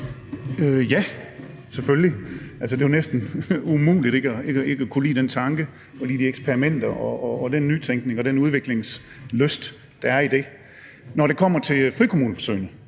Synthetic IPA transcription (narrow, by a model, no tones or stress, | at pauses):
øjæ | sefølliælsəd̥e̝jonesd̥n̩umṵːlid̥e̝ɡ̥əæeɡəe̝ɡ̥əækʰulḭːd̥ent͡sʰɑ̈ŋɡ̥ə | fɒlḭːdieɡ̥spʰeɐʁimen̰d̥ɐʔɒːd̥enːyt͡sʰeŋɡ̥ne̝ŋɒd̥enuð̞ˠʋe̝ɡ̥le̝ŋs | løsd̥ | d̥ɑ̈æɐid̥e̝ | nɒɾ̥e̝kʰɒ̽m̰ɐt͡sʰe̝lfʁikʰo̝muːnəfɒsøɪnəŋ